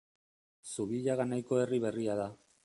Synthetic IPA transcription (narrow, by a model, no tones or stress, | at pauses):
suβiʎaɣanajko̞e̞riβ̞e̞riaða